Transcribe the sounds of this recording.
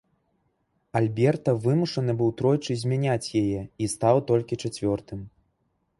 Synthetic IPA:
alʲbʲɛrt̪ɐvɨmuʂɐnɨbɨwt̪ɾɔjt͡ʂɨzʲmʲanʲat͡sʲjajɛist̪awt̪ɔlʲkʲit͡ʂat͡sʲvʲɔrt̪ɨm

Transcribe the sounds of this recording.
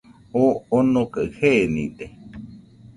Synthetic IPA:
oonõkəhenḭ̃d̪e

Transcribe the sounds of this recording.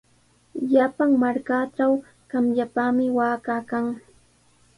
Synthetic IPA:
japaŋmaɾkaʈ͡ʂaw | kamʎapaːmɪwaːkaːkaŋ

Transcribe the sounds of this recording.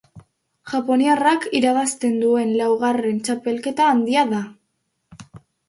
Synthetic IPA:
ʝ̥apo̞niarakiɾaβast̪e̞nd̪ue̞nlawɣ̞are̞nt͡ʃape̞lke̞t̪aːnd̪iaða

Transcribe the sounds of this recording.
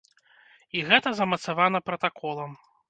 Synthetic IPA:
iɣɛt̪ɐzɐmɐt̪savanɐpɾɐt̪akɔlˠɐm

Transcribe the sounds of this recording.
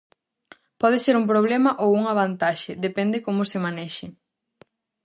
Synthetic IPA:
pɔðɪseɾump̬ɾoβ̞lemɐʔowuŋaβ̞ant̪aʃɪðepɛnd̪ɪkomʊsemanɛʃɪ

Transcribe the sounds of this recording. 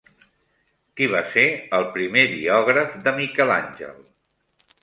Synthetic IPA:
kiβ̞aseəlˠpɾimeðḭɔɣ̞ɾəfðəmikɛla̰nʲʒə̰lˠ

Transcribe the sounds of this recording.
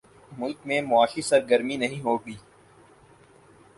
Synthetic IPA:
mʊlkmẽmʊaːʃisɐɾɡəɾminɐɦĩɦoːɡiː

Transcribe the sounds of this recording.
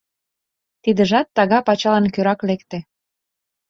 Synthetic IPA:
t̪id̪ə̆ʒɑt̪ːɑɣɑpɑt͡ɕɑlɑnkøɾɑklekt̪ĕ

